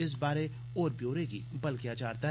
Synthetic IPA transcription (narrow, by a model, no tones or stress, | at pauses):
ɪs̬baːɾe | oːɾbjoːɾekibɐlkjat͡ʃaːɾt̪aɦ